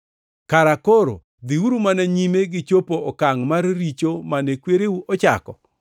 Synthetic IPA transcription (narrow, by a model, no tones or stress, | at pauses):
kaɾakoɾo̰ | d̪iuɾumanaɲimeɡɪt͡ʃopoɔkaŋmarːit͡ʃomanekweɾeuʔɔt͡ʃa̰kɔ̰